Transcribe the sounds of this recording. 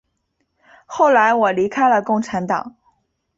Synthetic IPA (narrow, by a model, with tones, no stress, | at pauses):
xo˥˩ʊla˧˥ɪwɔ˨˩li˧˥kʰa˥ɪlə˨kʊ˥˩ŋʈ͡ʂʰa˧˥nt̪ɑ̰˨˩˦ŋ